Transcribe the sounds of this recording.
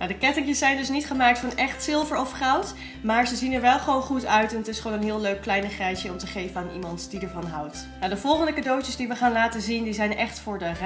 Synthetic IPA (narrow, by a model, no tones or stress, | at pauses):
nadəkɛtɪŋkjəsːɛjndɵsnitχəmaːk̚tfɑnɛχtsɪlˠvəɹɔfχɔwt | maːɹzəzinɛɹʋɛlˠχəʋownχutœɥtɛnətɪsχəʋownənɦɪːlˠløɥkːlɛjnəχrɛjsjəɔmtəχejvənaːnḭmɑntdidəɹvɑnɦʌwt | nadəvɔlˠχəndəkadowtəsdiʋəχaːnlaːtəzindizɛjnɛχtfʊːɹdər